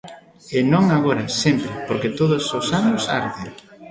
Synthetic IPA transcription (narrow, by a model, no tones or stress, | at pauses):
enõŋaɣoɾɐsɛmpɾɪpoɾket̪oðʊsosanʊsa̰ɾðeɾ